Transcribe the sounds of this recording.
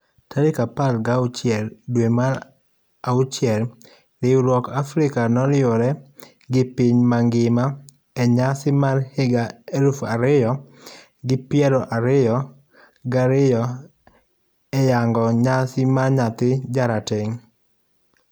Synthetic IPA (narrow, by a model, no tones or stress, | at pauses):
taɾɪkapalɡaʊt͡ʃjɛldwema | aut͡ʃjɛl | lɪwɾwɔkafɾɪkanɔɾɪoɾɛ | ɡɪpɪɲmaŋɡɪma | ɛɲasɪmarhɪɡaeɾufaɾɪjɔ | ɡɪpjɛɾɔʔaɾɪjɔ | ɡaɾɪjɔ | ɛjaŋɡɔɲasɪmaɲat̪ɪd͡ʒaɾatɪŋ